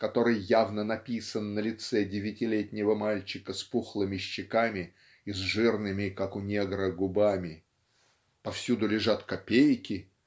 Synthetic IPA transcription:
kɐt̪o̞ɾɨjːavnənɐpʲisənːəlʲɪt̪sɛdʲɪvʲɪtʲɪlʲetʲnʲɪvəmalʲt͡ɕɪkəspuxlˠəmʲɪɕːɪkamʲɪ | izʐɨrnɨmʲɪkakʊnʲeɡɾəɡʊbamʲɪ | pɐfsʲud̪ʊlʲɪʐat̪kɐpʲejkʲɪ

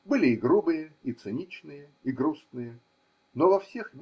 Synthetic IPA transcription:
bɨlʲɪiɡɾubɨjəit̪sɨnʲit͡ɕnɨjə | iɡɾusnɨjə | novɐfsʲexmʲ

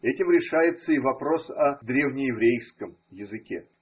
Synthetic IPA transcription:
ɛtʲɪmɾʲɪʂajɪt̪səivɐpɾo̞sɐd̪ɾʲevnʲɪjɪvɾʲejskəm | jɪzɨkʲḛ

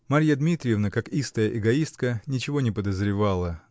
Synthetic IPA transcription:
maɾʲjad̪mʲit̪ɾʲɪjɪvnəkakist̪əjəʔɪɡɐist̪̚kənʲɪt͡ɕɪvo̞nʲɪpəd̪əzɾʲɪvalˠə

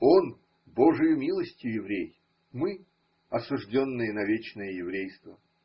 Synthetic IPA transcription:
on | boʐɨjʊmʲilˠəsʲtʲjʊjɪvɾʲej | mɨ | ɐsʊʐdʲo̞nːɨjənɐvʲet͡ɕnɨjəjɪvɾʲejst̪və

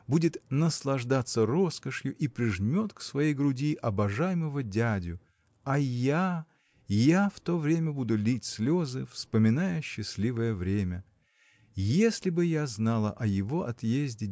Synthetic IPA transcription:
budʲɪt̪nəslˠɐʐd̪at̪sːəro̞skəʂjʊʔipɾʲɪʐnʲo̞t̪ksvɐjejɡɾʊdʲiʔɐbɐʐajməvədʲadʲʊ | ɐja | jaft̪o̞vɾʲemʲəbud̪ʊlʲitʲsʲlʲozɨfspəmʲɪnajəɕːɪsʲlʲivəjəvɾʲemʲə | jesʲlʲɪbɨjaznɑlˠə̰ʔɐjɪvo̞ʔɐt̪jezʲdʲɪ

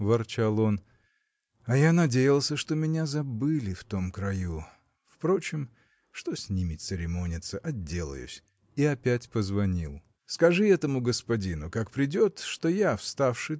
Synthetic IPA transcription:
vɐrt͡ɕalˠo̞n | ɐjanɐdʲejɪlˠsʲəʂt̪o̞mʲɪnʲazɐbɨlʲɪft̪o̞mkɾɐju | fpɾo̞t͡ɕɪm | ʂt̪o̞sʲnʲimʲɪt̪ʲsɨɾʲɪmo̞nʲɪt̪səʔɐdʲːe̞lˠə̰jʊ̰sʲ | iɐpʲætʲpəzvɐnʲilˠ | skɐʐɨɛt̪əmʊɡəspɐdʲinʊkakpɾʲɪdʲo̞t̪ʂt̪o̞jafst̪afʂɨ

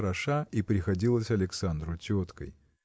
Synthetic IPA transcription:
ɾɐʂaipɾʲɪxɐdʲilˠəsʲɐlʲɪksand̪ɾʊtʲot̪kə̰j

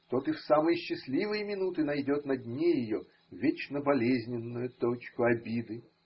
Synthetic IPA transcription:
t̪ot̪ɨfsamɨjəɕːɪsʲlʲivɨjəmʲɪnut̪ɨnɐjdʲo̞t̪nɐdʲnʲejɪjo | vʲet͡ɕnəbɐlʲezʲnʲɪnːʊjʊt̪ot͡ɕkʊɐbʲid̪ɨ

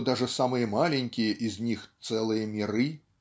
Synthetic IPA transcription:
d̪aʐɨsamɨjɐmalʲenʲkʲijɐʔizʲnʲixtt̪sɛlˠɨjɐmʲiɾɨ

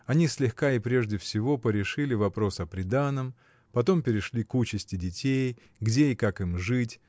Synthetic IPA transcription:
ɐnʲisʲlʲɪxkaɪpɾʲe̞ʐdʲɪfsʲɪvo̞pəɾʲɪʂɨlʲɪvɐpɾo̞sɐpɾʲɪd̪anəm | pɐt̪o̞mpʲɪɾʲɪʂlʲikut͡ɕɪsʲtʲɪdʲɪtʲej | ɡdʲeɪkakɨmʐɨtʲ

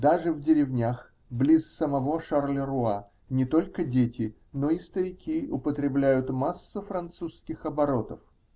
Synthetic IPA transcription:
d̪aʐɨvdʲɪɾʲɪvnʲax | blʲissəmɐvo̞ʂarlʲəɾʊa | nʲɪt̪o̞lʲkədʲetʲɪ | no̞ist̪əɾʲɪkʲiʊpət̪ɾʲɪblʲæjʊt̪masːʊfɾɐnt̪suskʲɪxɐbɐɾo̞t̪əf

